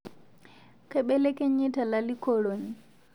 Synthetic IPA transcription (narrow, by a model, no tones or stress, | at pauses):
kɛɓɛlɛkɛɲːitalalikɔɽoɲ